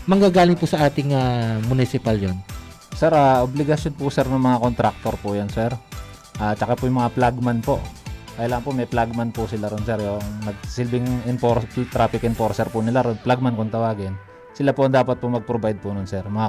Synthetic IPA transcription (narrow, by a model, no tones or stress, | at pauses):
mɐŋɡaːɡaːlɪŋpusɐʔaːt̪ɪŋaːmʊnɪsɪpaljon | sɛɾʔaʔoblɪɡɐsjonpʊsɛɾnɐŋmɐŋakont̪ɾak̚t̪oɾpʊjonsɛɾ | ʔaːt͡ʃɐkapʊjʊŋmɐŋaplaɡmanpo̰ʔkɐjɐlaːŋɐnpoʔmɛjplaɡ̚manpʊsɪlaɾʊnsɛɾjoŋnɐɡ̚sɪlbɪŋɪnpoɾt̪ɾaːpɪkɪnpoɾsɛɾpʊnɪlaɾonplaɡ̚mankʊnt̪ɐwaːɡɪn | sɪlapʊʔɐŋd̪aːpɐt̪̚pʊmɐɡ̚pɾobajd̪̚pʊnʊnsɛɾmɐŋa